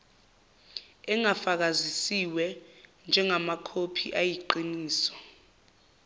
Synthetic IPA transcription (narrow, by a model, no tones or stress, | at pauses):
ɛŋafak̬azisiwɛnd͡ʒʱɛŋamakʰopʰiʔajiǃiniːsɔ̥